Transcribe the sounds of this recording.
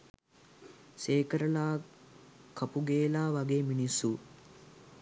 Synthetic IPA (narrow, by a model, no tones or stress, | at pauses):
seːkəɾəlaː | kʰapuɡeːlaːʋaɡeːminisu